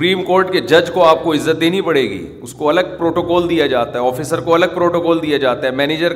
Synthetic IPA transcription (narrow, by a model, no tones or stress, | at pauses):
ɾiːmkoːɾʈked͡ʒɐd͡ʒkoaːp̚koɪzːət̪̚d̪eːnipɐɽ̤eːɡḭː | ʊskoɐləɡ̚pɾoːʈoːkɔːld̪ijad͡ʒaːt̪aɦɛɔːfiːsəɾkoɐləɡ̚pɾoːʈoːkɔːld̪ijad͡ʒaːt̪aɦɛmɛːneːd͡ʒəɾ